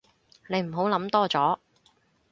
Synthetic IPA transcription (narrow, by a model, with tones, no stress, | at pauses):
ne˨˧jm̩˨˩ɦo˨˥wlɐ˨˧˥mt̪ɔː˥t͡sɔː˨˥